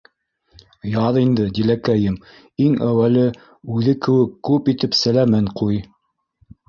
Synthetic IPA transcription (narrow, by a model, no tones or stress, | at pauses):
jɑðind̪ɘd̪ilækæjɘm | iŋæwælɘ | ʉðɘkɘ̆wɘkːʉpit̪ɘpsælæmænquj